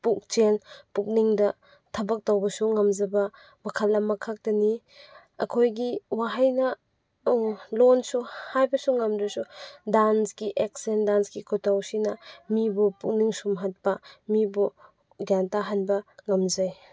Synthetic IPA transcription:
puk̚t͡ʃenpuk̚niŋdɐ | tʰɐbɐk̚tawbɐsuŋɐmzɐbɐ | mɐkʰɐlːɐmːɐkʰak̚tɐni | ɐkʰojɡiwaɦajnɐ | lonsuhajbɐsuŋɐmdɐsudanskiʔek̚sendanskikʰotawsinɐmibupuk̚niŋsumɦat̚pɐmibu | ɡjantaɦanbɐŋɐmzaj

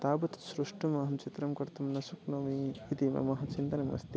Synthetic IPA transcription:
t̪aːbɐt̪sɾuʂʈumɐːɦɐmt͡ʃit̪ɾɐmkɐɾt̪ɐmnɐsuknɐmiːt̪imɐ̰mɐɦɐt͡ʃint̪ɐnɐmɐ̰st̪i

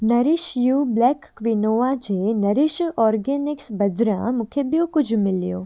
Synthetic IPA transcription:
nɐɾɪʃjuːblɛːkː | ʋinoːʋad͡ʒeːnɐɾɪʃɔːɾɡɛːnɪksbɐd̪ɾã̰mʊ̃kʰebijõkʊd͡ʒʱmɪlijo̰ː

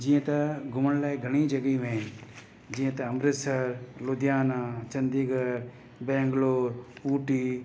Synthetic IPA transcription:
d͡ʒijə̃t̪ɐɡʱʊməɽ̃laːiɡʱɐɽ̃id͡ʒɐɡimẽɦɪn | d͡ʒiːə̃t̪ɐɐmɾɪsəɾlʊd̪ʱjaːnaːt͡ʃɐ̃nd̪iːɡəɾ | bẽːŋɡloːɾuːʈiː

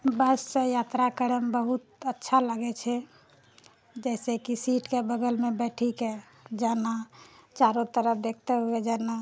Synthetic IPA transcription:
bəsːə̃jat̪ɾakəɾəmbəɦut̪ətːʃʰalaɡɛt͡ʃʰɛ | d͡ʒɛɪsekisiʈkebəɡəlmebɛʈʰike | d͡ʒanat͡ʃaɾot̪əɾəpʰd̪ek̚ʰt̪eɦoed͡ʒana

